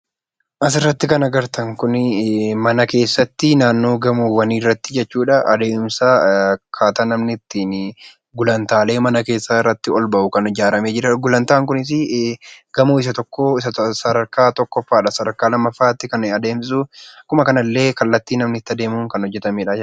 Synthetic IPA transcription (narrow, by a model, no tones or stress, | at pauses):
ʔɐs̬ɪrːɐt̪ːɪkɐnɐɡɐɾt̪ʰɐŋkʊnmɐnɐke̞ːsːɐt̪ːɪnaːnːo̞ːɡɐmuːwɐniːrːɐt̪ːɪd͡ʒɛt͡ʃːuːᶑɐʔɐd̪e̞ːmsaːkʰaːt̪aːnɐmnɪt̪ːɪn | ɡʊlɐnt̪aːle̞ːmɐnɐke̞ːsːaːɪrːɐt̪ːɪɔlbɐʔʊkɐnɪd͡ʒaːɾɐme̞ːd͡ʒɪɾɐɡʊlɐnt̪aːŋkʊnɪs̬ɪ | ɡ̥ɐmuːɪs̬ɐt̪ɔkːoɪssɐd̪ɐɾkaːt̪ɔkːɔfːaːᶑɐsɐd̪ɐɾkaːlɐmːɐfːaːt̪ːɪkɐnɐd̪e̞ːms̬ukʊmɐkɐnɐlːe̞ːkɐlːɐt̪ːiːnɐmnɪt̪ːɐd̪e̞ːmuːŋkɐnhɔd͡ʒːɛt̪ɐmeːᶑɐ